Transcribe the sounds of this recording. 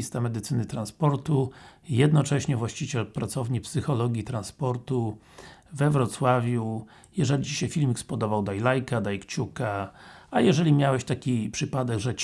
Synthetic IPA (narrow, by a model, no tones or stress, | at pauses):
ist̪amɛd̪ɘt̪sɘnɘt̪ɾãnspɔɾt̪ujɛd̪nɔt͡ʂɛɕɲɛvwaɕt͡ɕit͡ɕɛlpɾat̪sɔvɲipsɘxɔlɔɡʲjit̪ɾanspɔɾt̪u | vɛvɾɔt̪swavʲju | jɛʐɛlʲit͡ɕi̥ɕɛfʲilmʲikspɔd̪ɔvawd̪ajlajkad̪ajkt͡ɕukaajɛʐɛlʲimʲjawɛɕt̪akʲipʂɘpad̪ɛɡʐɛt͡ɕ